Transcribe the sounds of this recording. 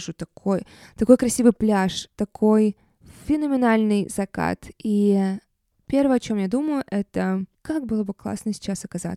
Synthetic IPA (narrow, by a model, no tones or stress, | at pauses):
ʐut̪ɐkʰojt̪ɐko̞jkɾɐsʲivɨjplʲaʂt̪ɐkʰo̞j | fʲɪnəmʲɪnalʲnɨjz̥ɐka̰t̪i | pʲervəjəɐt͡ɕo̞mjad̪uməjʊʔɛt̪əkak̚bɨlˠəbɨklˠa̰snəsʲɪ̥t͡ɕːasɐkɐza̰